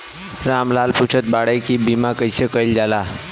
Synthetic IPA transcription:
ɾamlalput͡ʃʰət̪̚baɽəjkibimakəjsəkəjld͡ʒala

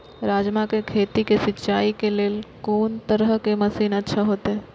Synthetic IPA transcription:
ɾaːd͡ʒmakekʰeːt̪ikesɪtːʃaːikeleːlkoːnt̪əɾəɦkemɐsiːnɐtːʃʰaɦoːt̪eɦɛː

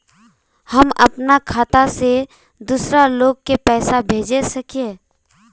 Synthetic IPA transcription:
hɐmɐ̰pnakʰaːt̪ase | d̪uːsɾaloːɡ̚kepɛːsabʱeːd͡ʒesɐkieː

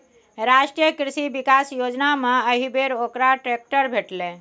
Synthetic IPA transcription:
ɾasʈijəkɾisibikasjod͡ʒnamẽəɦibeɾokɾaʈɾek̚ʈəɾbʱeʈlẽ

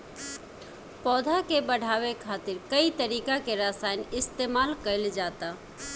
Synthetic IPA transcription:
pɔːd̪ʱakebəɽ̤ʱaːʋekʰaːt̪ɪɾkəit̪əɾiːkakeɾaːsaːɪnɪst̪eːmaːlkəɪld͡ʒaːt̪a

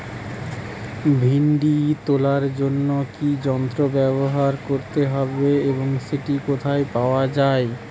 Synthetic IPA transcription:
bʱiɳɖit̪olaɾd͡ʑonːokid͡ʑɔnt̪ɾobɛboɦaɾkoɾt̪eɦɔbeeboŋʃeʈikot̪ʰaepaoad͡ʑae

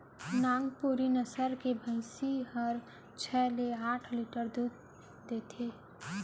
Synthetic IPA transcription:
nãːŋɡpuɾinəsəɾkebʱəɪsiɦəɾ | t͡ʃʰɛːleaːʈʰliːʈəɾd̪uːɡ | d̪eːt̪ʰeː

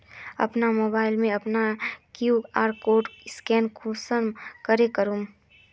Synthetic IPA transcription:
ɐ̰pnamoːbaːɪlmẽɐpnakjuːɡaːɾkoːɖskɛːnkusənkəɾekəɾum

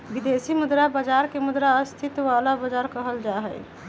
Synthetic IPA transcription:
bid̪esimud̪ɾabəd͡ʒaɾkemud̪ɾaəst̪ʰit̪ʋalabəd͡ʒaɾkəɦəld͡ʒaɦɛj

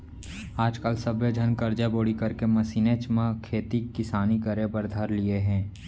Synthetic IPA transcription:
aːd͡ʒkəlsɐbed͡ʒʱɐnkɐɾd͡ʒaboːɽikɐɾkemɐsineːt͡ʃmãkʰeːt̪ikːɪsaːnikɐɾepɐɾd̪ʱɐɾlieɦɛ̃ː

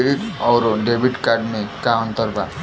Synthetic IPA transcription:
eɽikʌwɾoɖebʱiʈkarɖmekaʌnt̪ʌrba̰

